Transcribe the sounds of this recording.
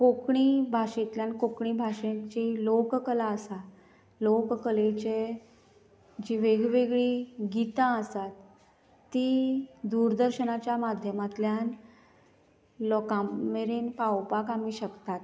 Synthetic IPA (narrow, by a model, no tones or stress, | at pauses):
kokɳibʱaʂẽt̪ljankokɳiːbʱaʂẽt͡ɕelokkəlaəsa | lokkəlet͡ɕe | d͡ʑiʋeɡʋeɡɭiɡit̪ãəsat̪ː | id̪uɾd̪əɾɕənat͡ɕjamad̪ʱjəmat̪ljan | lɔkameɾenkawpakam̤iɕəkt̪at̪